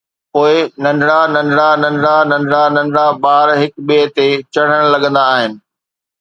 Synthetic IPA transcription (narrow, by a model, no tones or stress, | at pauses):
poːɪnɐ̃ɳɖɽanɐ̃ɳɖɽanɐ̃nɖɽanɐ̃ɳɖɽanɐ̃ɳɖɽabaːɾɦɪkɓit̪et͡ɕɐɽ̤əɽ̃lɐɠə̃n̆d̪aːɦɪnɪ̆